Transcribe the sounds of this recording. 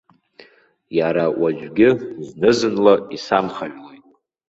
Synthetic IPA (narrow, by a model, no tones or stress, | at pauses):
jaɾawad͡ʒʷᶣɡʲɪznɨzɨnlaisamχaʒlojtʼ